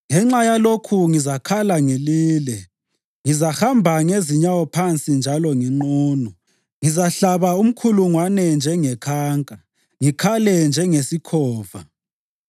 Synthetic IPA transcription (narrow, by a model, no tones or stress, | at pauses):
ŋɛŋ͡ǁajalokʰuŋizakʰalaŋeliːlɛ | ŋizahambʱaŋeziɲawɔpʰant͡sʼind͡ʒʱalɔŋiŋ͡ǃuːnɔ | ŋizaɬaβaum̩kʰuluŋwanɛnd͡ʒʱɛŋɛkʰaːŋkʼa | ŋikʰalɛnd͡ʒʱɛŋesikʰɔːva̰